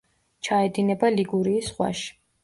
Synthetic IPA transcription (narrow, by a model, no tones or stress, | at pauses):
t͡ʃʰaɛd̪inɛbaliɡuɾiːsχwa̰ʃi̥